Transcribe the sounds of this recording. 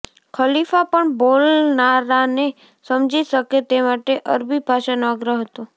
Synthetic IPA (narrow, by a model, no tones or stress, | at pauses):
kʰəlifapəɳbolnaɾane | səmd͡ʒiʃəket̪emaʈeʔəɾbibʱaʃanoaɡɾəɦət̪ũ